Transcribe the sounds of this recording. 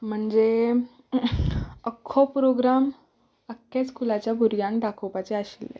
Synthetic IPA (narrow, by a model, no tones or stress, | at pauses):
m̤əɳd͡ze | əkʰːopɾoɡɾam | əkːet͡skulat͡ɕjabʱuɾjãŋkɖakʰopat͡ɕeaɕilḛ